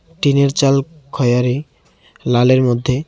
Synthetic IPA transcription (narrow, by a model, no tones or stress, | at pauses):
ʈineɾt͡ɕalkʰɔjaɾi | laleɾmod̪ʱːe